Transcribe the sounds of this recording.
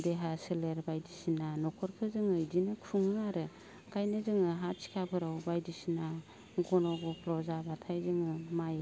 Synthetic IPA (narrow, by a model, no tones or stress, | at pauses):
deɦaseleɾbajdisinanɔkʰɔɾkʰɯzɯŋɯjdinɯkʰuŋɯaɾɯ | kʰajnɯzɯŋɯɦat͡ʃʰi̥kʰapʰɯɾawbajdisina | ɡɔnɔɡɔpʰlɔzabatʰajzɯŋɯmaj